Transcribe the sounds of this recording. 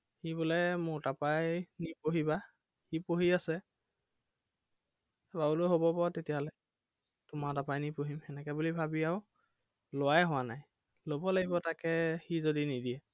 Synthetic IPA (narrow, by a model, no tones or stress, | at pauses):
xibulɛmʊɹtapajnipoɦiba | xipoɦiasɛ | bauloɦobɔpɔatetijaɦɔlɛ | tʊmatapajnipoɦimɛnɛkɛbulibʱabiaʊ | lʊwajɦʊwanaj | lobɔlaɡibɔtakɛxizodinidiɛ